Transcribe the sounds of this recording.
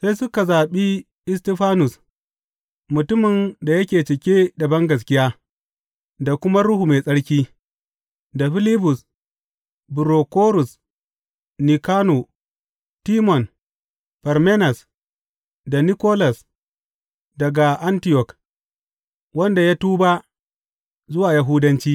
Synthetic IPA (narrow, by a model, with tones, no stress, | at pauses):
se˦jsʊ˦ka˨zaː˨ɓi˦ | ɪ˦s̬ti˦ɸaː˦nʊ˨s | mʊ˨tʊ˦mɪ˨nda˨jɐ˦kʲeː˨t͡ʃɪ˨kʲe˦dɐ˨bɐ˦ŋɡɐ˨s̬kʲɪ˦jaː˦ | da˨kʷʊ˦ma˦ɾʊ˦hu˨me˨sʼɐ˦ɽkʲiː˦ | da˨ɸɪ˦li˦bʊ˨s | bu˨ɾo˨koː˦ɾʊ˨s | ni˨kaː˦no˨ | tiː˦mɔ˨n | ɸɛ˨ɾme˦nɐ˨s | da˨ni˦koː˦la˨s | dɐ˨ɡa˨ʔa˦ntɪ˦jɔ˨k | wɐ˦nda˨ja˦tuː˦ba˦ | zʊ˦waː˨ja˦ɦu˦dɐ˦nt͡ʃiː˦